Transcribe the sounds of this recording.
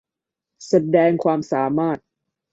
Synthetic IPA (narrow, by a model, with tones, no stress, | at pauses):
sa˧dɛː˧ŋkʰwaː˧msaː˩˦maː˥˩t̪̚